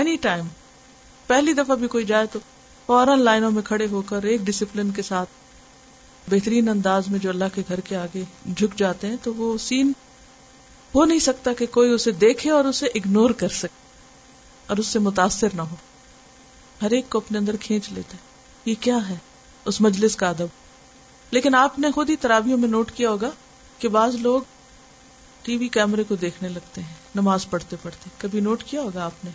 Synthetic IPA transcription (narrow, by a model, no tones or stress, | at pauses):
ɛniʈaːɪm | pɛɦlid̪ɐfabʱikoːid͡ʒaːet̪o | fɔːɾənlaːɪnõmẽkʰɐɽeɦokɐɾeːk̚ɖɪsɪplɪnkesaːt̪̚ʰ | bɛɦt̪ɾiːnɐ̃nd̪aːzmẽd͡ʒoːɐlːaɦkeɡʱɐɾkeaːɡed͡ʒʱʊkd͡ʒaːt̪eɦɛ̃t̪oʋosiːn | ɦonɐɦĩsɐkt̪akekoːiʊsed̪eːkʰeɔːɾʊseʔɪɡnoːɾkɐɾsɐke̥ | ɔːɾʊsːemʊt̪̬aːsːɪɾnaɦoː | ɦɐɾeːkːoɐpneɐ̃nd̪əɾkʰẽːt͡ʃlḛːt̪aɦɛ | jekjaːɦɛː | ʊsmɐd͡ʒlɪskaɐd̪əboː | leːkɪnaːpnexʊd̪ʱit̪ɐɾaːbijõmẽnoːʈkijaɦoːɡa | kebaːzloːɡ | ʈiːʋikɛːmɾekod̪eːkʰnelɐɡ̚t̪eɦɛ̃ːnɐmaːzpɐɽ̤t̪epɐɽt̪ekɐbʱinoːʈkijaɦoːɡaaːpne